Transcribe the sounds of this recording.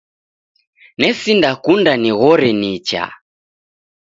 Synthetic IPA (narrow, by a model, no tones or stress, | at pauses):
nɛsindakundaniɣɔɾɛnit͡ʃa̰